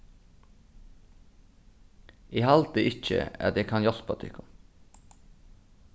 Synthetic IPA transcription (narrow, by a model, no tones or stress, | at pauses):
ʔeːhɑlt̪əʔɪc͡çə̰æ̰t̪jɛkʰɑnjɔlpɑt̪ʰɪ̰kʊm